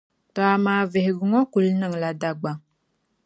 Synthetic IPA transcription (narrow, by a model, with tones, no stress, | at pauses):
tɔ˨a˨maː˨vɪ˨hɪ˨ɡʊ˨ŋɔ˦ku˨lnɨ˦ŋla˦da˦ɡ͡ba˦ŋ